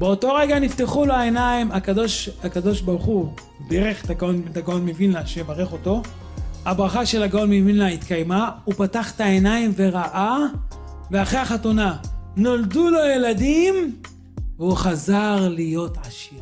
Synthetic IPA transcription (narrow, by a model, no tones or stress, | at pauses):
be̞oto̞ʁeɡanifteχuloae̞naimakadoʃakado̞ʃbaʁuχu | deʁeχet̪aɡaonet̪aɡaonmevinlaʃeebaʁeχo̞to̞ | habʁaχaʃe̞laɡaonmevinlait̪kajmaupataχet̪aenaimve̞ʁaʔa | veaχʁeaχatunanoldulo̞jeladim | veuχazaʁlijo̞tʕaʃiʁ